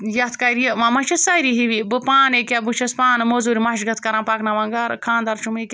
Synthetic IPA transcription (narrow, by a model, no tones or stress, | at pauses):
jɐt̪ʰkajɾijɐʋamɐt͡ʃɐsajɾiɦiʋibɨpaːnekʲabɨt͡ʃʰɐspaːnɨmozuɾimɐʃɡɐt̪ʰkɐɾãnpaːknɐʋɐŋɡaɾkʰãːnd̪ɐɾt͡ʃumekʲ